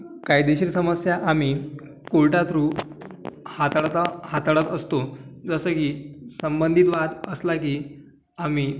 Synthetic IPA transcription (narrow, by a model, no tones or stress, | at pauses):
kaiːd̪eɕiːɾsəməsjaʔam̤iː | koɭʈat̪ɾuː | hat̪ɽt̪əhat̪aɽət̪əst̪od͡zəsəːkiːsəmbənd̪ʱit̪ʋat̪əslakiː | amiː